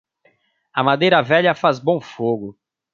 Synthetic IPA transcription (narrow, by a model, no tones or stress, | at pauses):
ɐmad̪ejɾɐvɛʎɐfazbõw̃foɡʊ